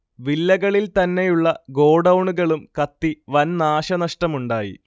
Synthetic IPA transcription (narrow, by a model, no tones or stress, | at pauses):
ʋilːɐɣɐɭilt̪ɐnːe̞juɭːɐɡo̞ːɖɐwɳuɣɐɭumkɐt̪ːiʋɐnnaːɕɐnɐʂʈɐmuɳɖaːjḭ